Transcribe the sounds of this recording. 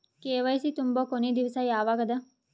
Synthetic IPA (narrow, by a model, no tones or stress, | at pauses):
keːʋɐjsit̪umbokoned̪iʋsajaːʋaɡɐd̪ɐ